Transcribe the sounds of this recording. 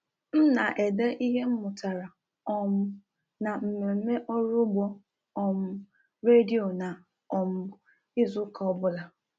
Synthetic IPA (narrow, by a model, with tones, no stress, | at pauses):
n̩˦na˨ʔe˨de˦ʔi˦ɦe˦m̩˦mʊ˨ta˨ɾa˨ | ɔ˨mʊ˦ | na˨m̩˨me˨ɾe˨m̩˦me˦ʔɔ˦ɾʊ˦ɡ͡bɔ˦ | ɔ˨m̩˦ | ɾe˦di˦˨o˨na˨ | ɔ˨mʊ˦ | i˦zu˦ka˨˦ɔ˨bʊ˦la˨